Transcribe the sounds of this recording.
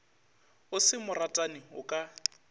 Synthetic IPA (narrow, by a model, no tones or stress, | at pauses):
ʊsɪmʊratʼanɪʊkʼa